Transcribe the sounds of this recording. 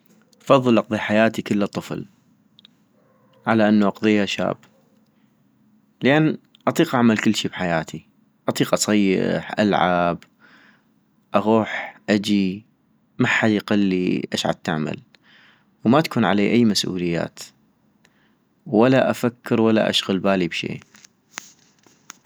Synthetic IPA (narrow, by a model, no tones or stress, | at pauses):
ʔɑfɑðˤːɨlʔɑqðˤiħajaːt̪ikəlːt̪ˤːɨfl | ʕalaʔanːuʔɑqðˤiːhaʃa̰ːb | ləʔanː | ʔɑt̪ˤiːqʔaʕmalkəlːʃibħajaːt̪ʰi | ʔɑt̪ˤiːqʔɑsˤɑjːɪ̰ħʔalʕab | ʔaɣuːħʔad͡ʒi | maħad̪jqɪlːiʔaʃʕa̰d̪̚t̪aʕma̰l | wmat̪ḁkuːnʕa̰leːʔajːmasʔṵːlɪjːa̰ːt̪ | walaʔafakːɪɾwalːa̰ʔa̰ʃɣʊlbaːlibʃḛː